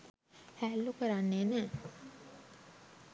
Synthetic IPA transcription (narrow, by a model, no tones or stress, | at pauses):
hæːlːukəɾanːeːnæ